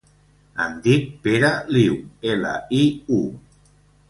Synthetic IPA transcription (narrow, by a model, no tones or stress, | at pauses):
a̰nd̪ik̚peɾaliwela̰iu